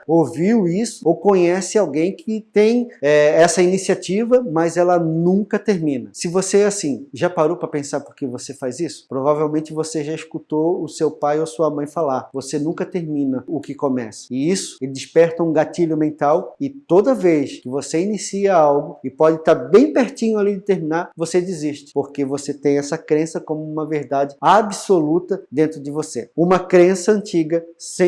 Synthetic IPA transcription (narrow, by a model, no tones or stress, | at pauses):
oviwisʊ̥okõɲɛsɪawɡẽj̃kʰɪt̪ẽj̃ɛɛsɐinisiat͡ʃivɐmɐjzɛlɐnũkɐt̪eɾmĩnɐsɪvoseasĩʒapaɾowpɾɐpẽsaɾpoɾkɪvosefajzisʊ̥pɾovavewmẽnt͡ʃɪvoseʒaiʃkut̪oʊsewpajoɐsuɐmɐ̃j̃falaɾvosenũkɐt̪eɾmĩnɐʊkɪkõmɛsɐ̥ɪisʊ̥elɪd̪ɪʃpɛɾt̪ɐũɡatiʎʊmẽnt̪awɪt̪od̪ɐveskɪvoseinisiɐawɡʊɪpɔd͡ʒɪt̪aɾbẽj̃peɾt͡ʃĩɲʊalidɪt̪eɾmĩnaɾvosed͡ʒɪziʃt͡ʃɪ̥poɾkevoset̪ẽj̃ɛsɐkɾẽsɐkõmʊũmɐveɾd̪ad͡ʒɪabɪsolut̪ɐd̪ẽnt̪ɾʊd͡ʒɪvoseũmɐkɾẽsɐɐ̃nt͡ʃiɡɐssẽ